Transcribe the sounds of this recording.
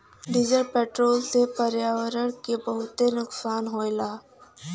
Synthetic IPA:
ɖɪd͡ʒəɾpeːʈɾoːlsepəɾjaːwəɾəɽ̃kebəɦʊt̪enʊksaːnɦoːelaː

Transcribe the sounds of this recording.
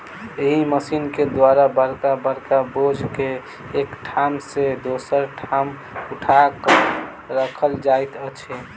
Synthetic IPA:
eɦiməsinked̪waɾabəɾkabəɾkabod͡ʒʱkeː | kʈʰamsed̪osəɾʈʰam | uʈʰakə | ɾəkʰəld͡ʒajt̪ət͡ʃʰe

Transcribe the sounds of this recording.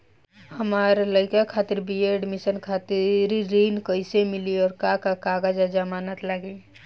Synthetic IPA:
həmaːɾləɪkakʰaːt̪ɪɾbieɖmɪʃənkʰaːt̪ɪɾɾiːnkəɪsemɪliɔːɾkakakaːɡad͡ʒad͡ʒamaːnət̪laɡe

